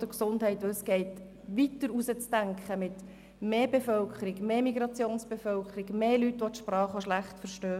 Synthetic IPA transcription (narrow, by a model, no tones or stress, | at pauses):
d̥əɾksʊndɦɛɪtʋəsɡ̥ɛɪt | ʋitəɾusət͡stæŋkχəmɪt | meːbefœlkχəɾɪɡmeːmiɡɾɑt͡sjoːnsb̥efœlkχəɾɪɡmeːlytʋɔt̪ʃpɾɑːχəʃlæχtfəɾʃtøː